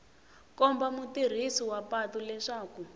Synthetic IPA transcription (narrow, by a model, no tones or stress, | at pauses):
kɔmbamutir̤isiwapatulɛʂaːku